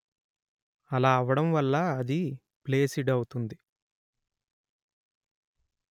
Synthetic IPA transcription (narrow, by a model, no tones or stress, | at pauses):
ɐlaːɐʋɐɽɐmʋɐlːɐːd̪i | ple̞ːsiɖɐwut̪und̪i